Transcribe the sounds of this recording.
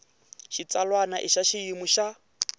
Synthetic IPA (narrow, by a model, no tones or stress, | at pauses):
ʃit͡salwanaʔɪʃaʃiimuʃa